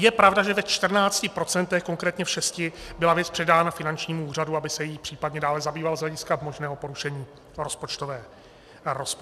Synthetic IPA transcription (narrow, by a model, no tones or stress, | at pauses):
jɛpɾavdaʒɛvɛt͡ʃt̪r̩naːt͡scɪpɾo̞t͡sɛnt̪ɛxko̞ŋkɾɛːt̪ɲɛfʃɛscɪbɪlavjɛt͡spr̝̥ɛdaːnafɪnant͡ʃɲiːmuuːraduabɪsɛjjipr̥iːpadɲɛdaːlɛzabiːvalzɦlɛɟɪskamo̞ʒnɛːɦopo̞ɾuʃɛɲiː | ɾo̞spo̞t͡ʃt̪o̞vɛː | ɾosp